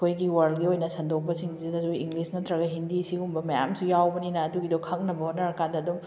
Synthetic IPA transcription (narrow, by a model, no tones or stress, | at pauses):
kʰojɡiwɐɾldɡiojnɐsɐndok̚pɐsiŋzidɐzujiŋɡlisnɐtɾɐɡɐɦindisiɡumbɐmɐja̰msujawbɐninɐːduɡidɔkʰɐk̚nɐbɐɦonɐɾɐkandɐːdum